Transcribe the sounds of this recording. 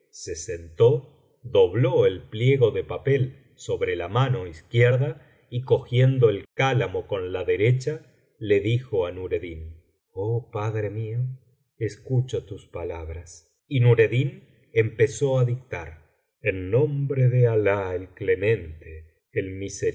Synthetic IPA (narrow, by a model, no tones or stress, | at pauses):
sesent̪o̞ | ðo̞βloelpljeɣo̞ðepapel | so̞βɾelamano̞iskjeɾða | iko̞xjend̪o̞elkalamoko̞nlaðeɾet͡ʃa | le̞ðixo̞anuɾeðin | opaðɾemio | eskut͡ʃot̪uspalaβɾas | inuɾeðin | empeso̞aðik̚t̪aɾ | enːõmbɾeðealaelklemẽ̞nt̪eː | lmise